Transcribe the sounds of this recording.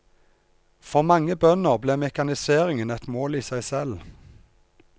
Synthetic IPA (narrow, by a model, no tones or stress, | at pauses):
fɔʁmɑŋəbœnəʁbleːmɛkɑnɪseːʁɪŋənɛt̪moːliːsæɪsɛl